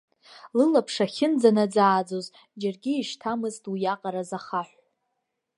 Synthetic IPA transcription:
lɨlapʰʂaχʲɪnd͡zanad͡zaːd͡zoz | d͡ʒarɡʲiːʃtʰamɨztʰʼwijaqʼaɾazaχaħʷ

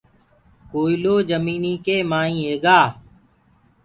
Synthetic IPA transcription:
koːiːloːd͡ʒəmiːniːkeːmaːĩːeːɡaː

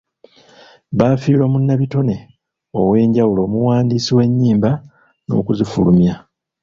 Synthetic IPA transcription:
βaːfiːlomunːaβito̞ne̞ | owe̞ːɲɟawulo̞ːmuwaːndiːsiwe̞ɲːiːmba | no̞̰kuzifulumja

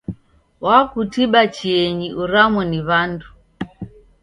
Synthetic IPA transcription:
wakutiɓat͡ʃiɛɲiʔuɾamwɛniβandu

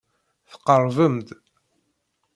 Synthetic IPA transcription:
θə̥qːərˤvəmd̪

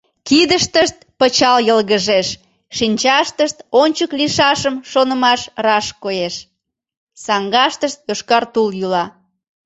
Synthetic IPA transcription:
kid̪əʃt̪əʃt̪̚pət͡ɕɑljəlɣəʒeʃ | ʃinʲt͡ɕɑʃt̪əʃt̪onʲt͡ɕəkliʃɑʃəmʃonəmɑʃrɑʃkojeʃ | sɑŋɡɑʃt̪əʃt̪joʃkɑrt̪uljylɑ

